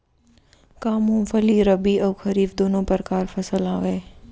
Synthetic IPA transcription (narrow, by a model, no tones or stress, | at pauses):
kaːmʊ̃mfəliɾəbiʔəːxəɾiːfd̪oːnõːpəɾkaːɾfʰəsəlaːʋeː